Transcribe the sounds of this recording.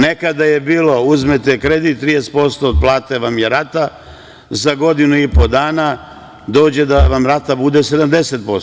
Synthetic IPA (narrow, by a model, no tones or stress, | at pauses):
ne̞kad̪aje̞biːlo̞uzmet̪ekɾe̞d̪it̪t̪ːɾijest̪po̞st̪oːd̪̚plˠaːt̪e̞ʋamjeɾat̪a | zaɡo̞d̪inuipo̞d̪aːna | d̪o̞ːd͡ʑe̞d̪aʋamɾat̪abud̪e̞se̞d̪amd̪e̞set̪̚po̞s